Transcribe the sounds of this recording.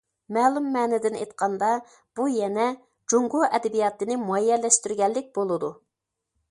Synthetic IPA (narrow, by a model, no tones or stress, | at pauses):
mɛːlˠumːɛːnɛd̪ɪnḛjt̪̚qʰɑnd̪ɑ | b̥ujɛnɛ | d͡ʒoŋɡoʔɛd̪ɛbijɑt̪ɨnɪmuɑjːɛɾlɛʃt̪yɾɡʲɛlːɪk̚ʲbolˠɨd̪u